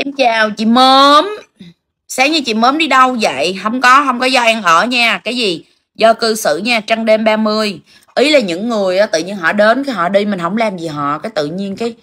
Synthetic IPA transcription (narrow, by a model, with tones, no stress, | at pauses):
ka˨˦mt͡ɕaː˨˩wt͡ɕḭ˧˨mə˨˦n | saː˨˦ɲɨ˧t͡ɕḭ˧˨məː˨˦nɗi˧ɗə˧wvə̰˧˨jɦə˧wŋ͡mkɔ˨˦ɦə˧wŋ͡mkɔ˨˦zɔ˧ʔɛ˧ŋʔəː˧˩ɲaː˧kaː˨˦jzi˨˩ | zɔ˧kɨ˧sɨ̰˧˨ɲaː˧t͡ɕa˧ŋɗe˧mɓaː˧mɨ˧əj | ʔi˨˦laː˨˩ɲɨ̰˧˥ŋːɨ˨˩əjʔaː˨˦t̪ɨ̰˧˨ɲi˧ənɦɔ̰˧˨ɗe˨˦nkaː˨˦jɦɔ̰˧˨ɗi˧mï˨˩ŋ̟ɦə˧˩˦wŋ͡mlaː˨˩mzi˨˩ɦɔ̰˧˨kaː˨˦jt̪ɨ̰˧˨ɲi˧ənkaː˨˦j